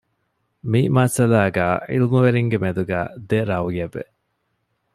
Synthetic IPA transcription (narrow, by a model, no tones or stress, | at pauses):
mimɐsɐlaːɡæːḭlmuʋeɾiŋɡemed̪uɡæ̰ːd̪eɾɐwijɐʋḛ